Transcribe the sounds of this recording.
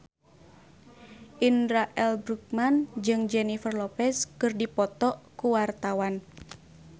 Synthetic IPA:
ʔinɾaʔɛlbɾuk̚mand͡ʒɨŋd͡ʒɛnifərlɔpɛskɨrdipɔt̪ɔkuwart̪awan

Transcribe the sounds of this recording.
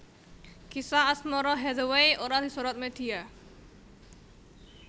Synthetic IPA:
kisaːsmɔɾɔɦɛd̪ɔwejʔɔɾat̪isɔɾɔt̪̚met̪ʰija

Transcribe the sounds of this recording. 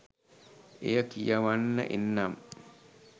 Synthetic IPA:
ḛjəkijaʋanːə̰ʔenːam

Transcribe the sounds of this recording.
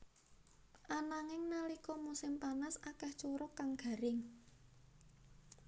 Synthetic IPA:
ʔanaŋɪŋnalikɔmusɪmpanasakɛht͡ʃoɾʊkaŋɡ̥ä̤ɾɪŋ

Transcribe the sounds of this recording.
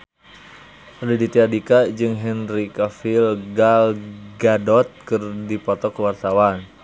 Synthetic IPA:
ridit̪iadikad͡ʒɨŋɦɛnrikafilɡalɡadɔt̪̚kɨrdipɔt̪ɔkwart̪awan

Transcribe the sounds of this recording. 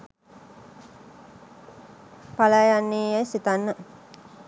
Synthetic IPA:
palajanːeːjəsit̪anːə

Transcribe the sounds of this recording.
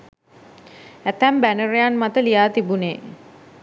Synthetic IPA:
æt̪æmbænərejanmat̪əlijaːt̪ibunḛː

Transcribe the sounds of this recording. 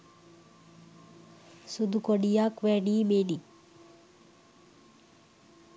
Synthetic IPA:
sud̪ukoɽijakʋeɽiːmeni

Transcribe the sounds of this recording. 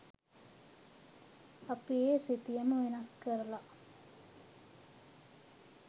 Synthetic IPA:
apijesit̪ijəməʋenɐskəɾəla

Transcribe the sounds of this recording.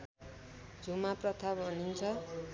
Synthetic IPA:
d͡zʱumaprʌt̪ʰabʌnint͡sʰʌ

